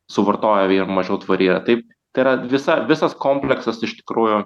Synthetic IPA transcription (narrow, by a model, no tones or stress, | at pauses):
sʊʋɐrt̪oːjɛʋʲiɪrmɐʒʲɛʊt̪ʋɐɾʲiːɾɐt̪ɐɪp | t̪ɐɪɾɐʋʲɪsɐʋʲɪsɐskoːmʲpʲlʲɛksɐsɪʃt̪ʲɪ̥kɾuːjʊ